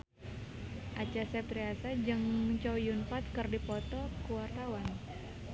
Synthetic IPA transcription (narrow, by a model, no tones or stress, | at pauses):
ʔat͡ʃasɛpt̪ɾiasad͡ʒɨŋt͡ʃowjunpat̪̚kɨrdipɔt̪ɔkuwart̪awan